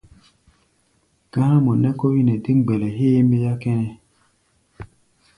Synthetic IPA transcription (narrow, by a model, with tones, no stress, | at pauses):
ɡ̥ã˦na˦mɔ˨nɛ˦kɔ˦wi˦nɛ˨di˦ŋɡ͡bɛ˨lɛ˨ɦeː˦mbe˦ja˦kɛ˦nɛ˦